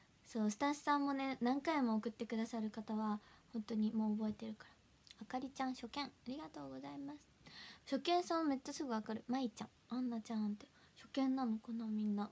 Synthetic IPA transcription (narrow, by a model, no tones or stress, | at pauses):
so̞ːsɨ̥t̪ãɕi̥sãmːo̞ne̞nãŋkaimo̞ːkɯ̟t̪ːe̞kɯ̟d̪asaɾɯ̟kat̪aβahõ̞nt̪o̞ɲ̟imo̞ːbo̞e̞t̪e̞ɾɯ̟kḁɾa | akaɾʲit͡ɕãɰ̃ɕo̞kẽ̞ŋaɾʲiɡat̪o̞ːɡo̞zaimasɨ̥ɕo̞kẽ̞ɰ̃sãɰ̃amett͡ɕːasɨɡoakaɾɯ̟mait͡ɕã̰ɴanːat͡ɕãnt̪e̞ɕo̞kẽ̞nːanokonomʲĩnːa